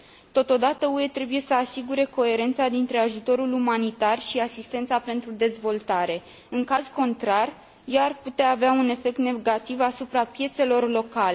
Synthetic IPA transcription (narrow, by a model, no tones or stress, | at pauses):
t̪o̞t̪o̞d̪at̪əue̞t̪ɾe̞buje̞səasiɡuɾe̞ko̞e̞ɾe̞nt̪sad̪int̪ɾe̞aʒut̪o̞ɾulumanit̪arʃiasist̪e̞nt̪sape̞nt̪ɾud̪e̞zvo̞lt̪aɾe̞ | ɨŋkazko̞nt̪ɾar | jaarput̪eaːveaune̞fe̞k̚t̪ne̞ɡat̪ivasupɾapje̞t̪se̞lo̞rlo̞kale